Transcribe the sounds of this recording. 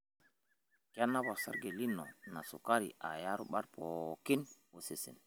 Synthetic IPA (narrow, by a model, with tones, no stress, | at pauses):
ka˦nːa˦bo˨sa̰˦ɾɡe˨li˦nːɔ̰˨na˨sṵ˨ka˦ɾḭ˨ʔa̰˨ja˦ɾu˦ɓa˦ɾpo˨ki˦nwo˨si˨sḭ˨n